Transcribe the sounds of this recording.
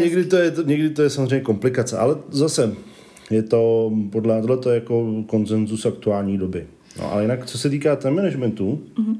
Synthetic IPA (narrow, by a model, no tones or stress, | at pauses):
ɲɛɡdɪt̪ojɛt̪ɲɛɡdɪt̪ojɛsamozrejɲɛko̞mplɪkat͡sɛʔa̰lɛzasɛ | jɛt̪o̞podlɛt̪odlɛt̪ojɛjakoko̞nsɛnzusak̚t̪uaːlɲiːdobɪ | no̰ʔa̰lɛjɪnakt͡sosɛt̪̬iːkaːt̪ɛmɛnɛʒmɛnt̪u